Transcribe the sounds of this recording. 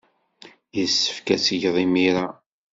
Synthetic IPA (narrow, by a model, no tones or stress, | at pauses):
jəsːə̥fkæsəʝðˤimiɾa